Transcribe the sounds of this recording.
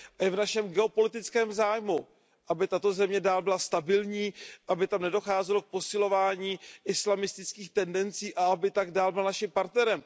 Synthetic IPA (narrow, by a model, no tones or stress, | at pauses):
ʔajɛvnaʃɛmɡɛo̞po̞lɪt̪ɪt͡skɛːmzaːjmu | ʔabɪt̪at̪o̞zɛmɲɛdaːlbɪlast̪abɪlɲiːʔabɪt̪amnɛdo̞xaːzɛlo̞k̚po̞sɪlo̞vaːɲiːʔɪslamɪst̪ɪt͡skiːxt̪ɛndɛnt͡siːʔaabɪt̪aɡdaːlbɪlnaʃɪmpaɾt̪nɛɾɛm